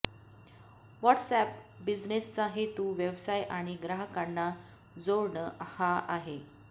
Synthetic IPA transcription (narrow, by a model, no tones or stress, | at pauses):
ʋɔʈsæp̚bid͡znest͡saɦet̪uːʋjeʋsajʔaɽ̃iɡɾaɦkaɳːa | d͡zoɾɳəhaʔaɦe